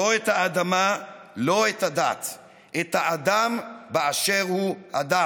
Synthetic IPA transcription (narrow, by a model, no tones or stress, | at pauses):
oet̪haːd̪ama | lo̞et̪hadat̪ | ʔet̪haad̪ambeaʃeʁhua̰d̪a